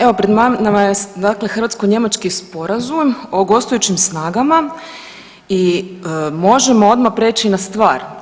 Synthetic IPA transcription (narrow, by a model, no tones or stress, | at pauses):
e̞ʋo̞pɾed̪mamnamajed̪aklexr̩ʋat̪skoɲe̞mat͡ʃkispo̞ɾazumoɡo̞st̪ojut͡ɕimsnaːɡama | i | mo̞ʒemo̞o̞d̪mapɾeːt͡ʃinast̪ʋaːɾ